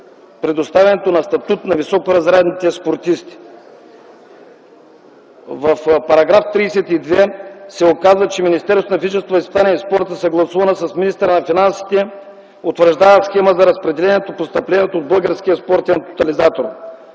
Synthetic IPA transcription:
pɾɛd̪ost̪avʲɛnɛt̪onɐst̪ɐt̪ut̪nɐvisɔkoɾɐzɾɛd̪nit̪ɛspoɾt̪ist̪i̥ | vɐfpɐɾɐɡɾaft̪ɾiːsɛt̪id̪vɛsɛokazvət͡ʃɛminist̪ɛɾsonɐvit͡ʃɛnst̪voɐispit̪anijɛispɔɾt̪əsɐɡlˠɐsuvɐnəsɐsminist̪əɾənɐfinansi̥t̪ɛ | ot̪vəɾʒd̪avəsxɛməzɐɾɐspɾɛd̪ɛlɛnʲɛt̪opost̪ɐplɛniɛt̪oːd̪̚bəlˠɡəɾskʲiɐspɔɾt̪ɛnt̪o̥t̪ɐlizat̪oɾ

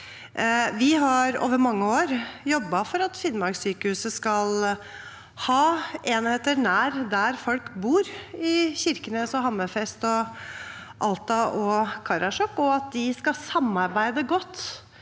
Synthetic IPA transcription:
ʋɪɦɑɾo̰ːʋəɾmɑŋːəoːɾjɔbːɑfɔɾɑt̪fɪnːmɑɾɡsyːkəhʉːsəskɑl | hɑːeːnheːt̪əɾnæːɾd̪æɾfɔlkbuːɾɪçɪɾkənəsɔɦɑmːəfɛst̪ɔ | ʔɑlt̪ɑʔɔkʰɑɾɑʂɔkːɔɑt̪̚d̪ɪskɑsɑmːɑɾbæɪd̪əɡɔt̪ː

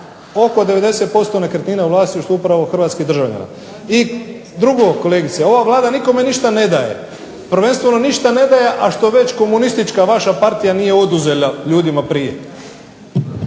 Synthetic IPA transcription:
o̞ko̞d̪e̞ʋe̞d̪e̞se̞t̪̚po̞st̪o̞nekɾet̪niːnauʋlaːst̪iuʃt̪oupɾaʋo̞xr̩ʋaːt̪skid̪ɾr̩ʒaʋʎa̰na̰ | i | d̪ɾuɡoko̞leːɡit̪sieo̞ʋaʋlˠaːd̪aniko̞me̞niʃt̪ane̞d̪aje̞̰ | pr̩ʋe̞nst̪ʋe̞no̞niʃt̪ane̞d̪aje̞ʔaʃt̪o̞ʋe̞t͡ɕko̞munist̪it͡ʃkaʋaʃapaɾt̪ijanije̞o̞d̪uze̞ʎaʎuːd̪imapɾijḛ

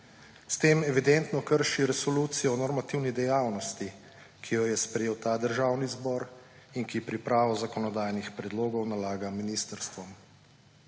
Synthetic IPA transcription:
st̪eːmɛʋid̪ɛnt̪nɔkəɾʃiɾɛsɔluːt̪sijɔnɔɾmat̪iwnid̪ɛjaːwnɔst̪i | kʰijɔjɛspɾɛjeːwt̪aːd̪əɾʒaːwnizbɔɾ | inkipɾipɾaːʋɔzakɔnɔd̪aːjnixpɾɛd̪loːɡɔwnalaːɡaminist̪əɾst̪ʋɔm

